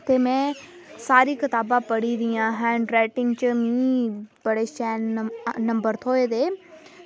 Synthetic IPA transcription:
t̪eːmɛ̃ː | saːɾiːkɪt̪aːbãːpəɽid̪ijãːɦɛ̃ːɳɖɾɛːʈɪ̃ŋɡt͡ʃəmĩːbəɽeːst͡ʃɛːnːə̃mbəɾt̪ʰoːed̪eː

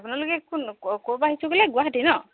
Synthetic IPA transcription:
apunalokɛkunkobaɦisʰuɡelɛɡʊwaɦatinɔ

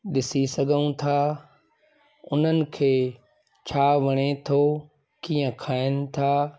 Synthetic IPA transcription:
ɗɪsisɐɡʱəũt̪ʰaː | ʊn̤ənɪ̆kʰeː | t͡ɕʰaːʋɐɽ̃et̪ʰo | kiːə̃kʰaːɪnɪ̆t̪ʰaː

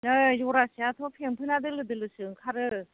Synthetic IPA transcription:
nɯjɔɾasiat̪ʰɔpʰeŋpʰɯnadɯlɯdɯlɯsɯŋkʰaɾɯ

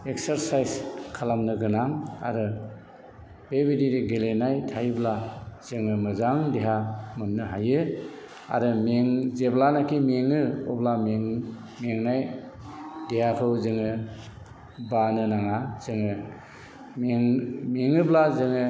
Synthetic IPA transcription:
ek̚saɾsajskʰalamnɯɡɯnaŋa̰ɾɯ | b̥ebidiɾiɡelenajtʰajblaz̥ɯŋɯmɯzaŋdeɦamɯnːɯɦajɯ | a̰ɾɯmeŋzeblanakʰimeŋɯɔblameŋ | meŋnaj | dehakʰɯwzɯŋɯ | banɯnaŋaz̥ɯŋɯ | meŋmeŋɯblazɯŋɯ

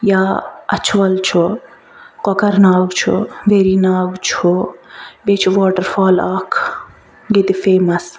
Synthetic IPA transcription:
jaːɐ̰t͡ʃʰʋɐlt͡ʃʰu | kɔkɐɾnaːɡt͡ʃʰṵʋeɾinaːɡt͡ʃʰu | bet͡ʃʰuʋɔːʈɐɾfɔːlaːkʰ | ɡit̪ifeːmɐs

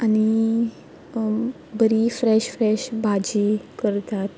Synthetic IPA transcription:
añi | bəɾifɾɛɕfɾɛɕbʱad͡ʑikəɾt̪at̪̚

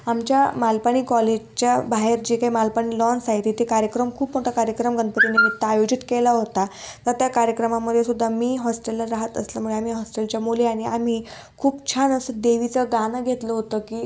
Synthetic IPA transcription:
amt͡ɕjamalpaɳ̃iːkɔled͡ʑt͡ɕjabaɦeɾd͡ʑekaɦimalpaɳ̃iːlɔnsaɦit̪it̪ikaɾjəkɾəmkʰuːpmoʈʰakaɾjəkɾəmɡʱənd̪pət̪inemit̪ːaajod͡ʑit̪kelaɦot̪at̪əɾt̪jakaɾjəkɾəmamːəd̪ʱːjesud̪ʱːamiːɦɔsʈelːaɾaɦət̪əsljamuɭeam̤iɦɔsʈelt͡ɕjamoliaɽ̃iam̤iː | kʰuːpt͡ɕʰanəsəd̪eʋit͡səɡanəɡʱet̪ləɦot̪əkiː

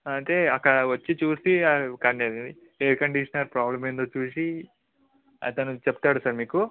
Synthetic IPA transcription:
ɐɳʈ̪eːɐkːɐɽɐʋɐt͡ʃːit͡ʃuːsiɐkɐɳeɾɐi | eːɾkɐɳɖiʂɐnɐɾpɾaːblɐmeːnd̪oːt͡ʃuːsi | ɐ̰t̪ɐnut͡ʃept̪aːɽusɐɾmiːku

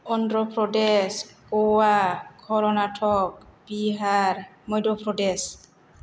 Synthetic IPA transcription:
ɔndɾɔpɾɔɖeskowakʰɔɾɔnaʈʰɔk̚biɦaɾ | mɔjdɔpɾɔɖes

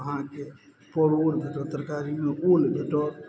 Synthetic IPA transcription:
əɦãke | pɔɽoɽbʱeʈɔt̪ɾkaɾimeʔolbʱeʈɔ

